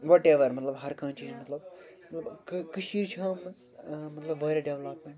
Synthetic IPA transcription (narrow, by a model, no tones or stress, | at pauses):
ʋɔːʈeːʋɐɾmɐt̪lɐbɦɐɾkãːnt͡ʃiːznmɐt̪lɐb | mɐt̪lɐbkkɐʃiːɾt͡ʃʰɐ̃ːmɐ | mɐt̪lɐbʋɐːɾeɖeʋlɐpmẽɳʈ